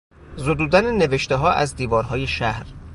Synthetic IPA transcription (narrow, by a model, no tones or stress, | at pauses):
zod̪uːd̪ænene̞veʃt̪eɦɒːʔæzd̪iːvɒːɾɦɒːje̞ʃæhɾ